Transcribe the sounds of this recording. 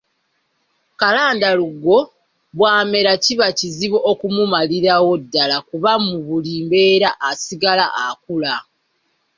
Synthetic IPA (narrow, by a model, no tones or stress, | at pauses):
kalaːndaluɡo̞ | βwaːme̞ɾaciβaciziβo̞ʔːkumumaliɾawo̞dːalakuβamuβuliːmbe̞ːɾaʔːsiɡalaʔakula